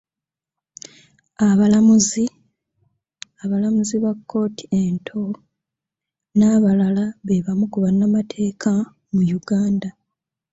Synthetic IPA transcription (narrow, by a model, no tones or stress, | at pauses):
aβalamuzi | aβalamuziβakʰːo̞ːtʰi̥entʰo | naːβalalaβe̞βamukuβanːamatʰe̞ːkʰa | mujuɡaːnda